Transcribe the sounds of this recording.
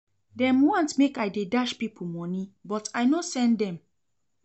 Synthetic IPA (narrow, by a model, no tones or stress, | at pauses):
dɛ̃mwɔ̃ntmekajdedaʃpipʰl̩mɔnibɔtʰajnosɛ̃ndɛ̃m